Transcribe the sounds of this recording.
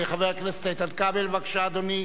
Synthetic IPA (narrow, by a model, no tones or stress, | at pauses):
eχaveʁklast̪ejt̪adkabelvakʃaːd̪oni